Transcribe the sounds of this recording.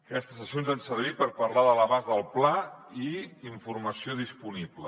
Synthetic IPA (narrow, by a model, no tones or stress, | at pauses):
əkɛst̪əsəsionzansəɾβ̞ipəɾpəɾlaðələβazðəlˠplaiːɱfuɾməsioðispuniblə